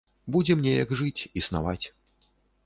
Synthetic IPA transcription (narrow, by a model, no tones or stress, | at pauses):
bud͡zʲɛmnʲɛjɐɡʐɨt͡sʲisna̰vat͡sʲ